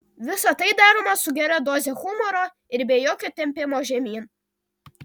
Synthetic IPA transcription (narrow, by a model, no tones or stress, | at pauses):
ʋʲɪsɐt̪ɐɪd̪ɑːɾoːmɐsʊɡʲɛɾʲɛd̪oːzʲɛxʊmɔɾo | ɪɾbʲejoːkʲoːt̪ʲɛmʲpʲɪmoːʒʲɛmʲiːn